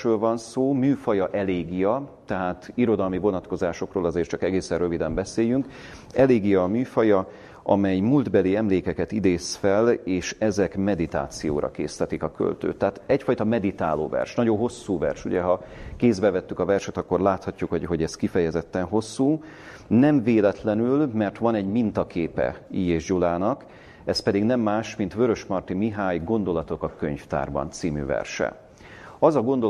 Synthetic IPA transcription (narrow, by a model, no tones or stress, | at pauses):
ɾøːlvɒnsoːmyːfɒjɒʔɛleːɡijɒt̪ɛɦaːt̪iɾo̞d̪ɒlmivo̞nɒt̪ko̞zaːʃo̞kroːlɒzeːt͡ʃɒkɛɡeːsɛrrøvid̪ɛmbɛseːjyŋk | ɛleːɡijɒːmyːfɒjɒ | ʔɒmɛjmuld̪bɛliɛmleːkɛkɛt̪id̪eːsfɛleːʃɛzɛkmɛd̪it̪a̰ːt̪sijo̰ːɾʔɒ̰kḛːst̪ɛt̪ikɒkø̰lt̪ø̰ːt̪ːɛɦaːt̪ɛcfɒjt̪ɒmɛd̪it̪aːlo̰ːvɛ̰rʃnɒɟo̞ɦo̞sːuːvɛ̰rʃṵɟɛɦɒkeːzbɛvɛt̪ːykɒvɛrʃɛt̪ɒkːo̞rlaːt̪hɒcːukhoɦo̞ɟɛskifɛjɛzɛt̪ːɛnɦo̞sːuː | nɛɱveːlɛt̪lɛnylmɛrt̪ʋɒnɛɟmint̪ɒkeːpɛ̰iːjeːʒd͡ʒulaːnɒk | ɛspɛd̪iɡnɛmːaːʃmint̪ʋøɾø̞ʃmɒrt̪imiɦaːjɡo̞nd̪o̞lɒt̪o̞kɒkøɲft̪a̰ːrbɒ̰nt̪siːmy̰ːvɛ̰rʃɛ̰ | ɒzɒɡo̞nd̪o